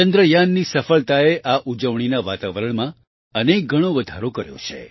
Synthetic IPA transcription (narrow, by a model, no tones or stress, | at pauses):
t͡ʃənd̪ɾəjanːisəfəɭt̪aeʔaʔud͡ʒəʋɳ̃inaʋat̪aʋəɾəɳ̃mã | ənek̚ɡʱəɽ̃oʋəd̪ʱaɾokəɾjõ̰t͡ʃʰe